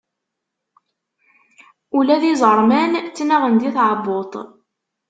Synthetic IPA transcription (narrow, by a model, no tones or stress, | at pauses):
ulæðizˤəɾˤmænt͡sːnæʁənd̪iθʕabot̪ˤ